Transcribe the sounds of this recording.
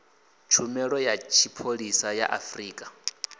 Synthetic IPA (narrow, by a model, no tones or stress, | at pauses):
t͡ʃʰumɛɺɔjat͡ʃʰipʰoɺisaja̰ʔa̰friːkʼḁ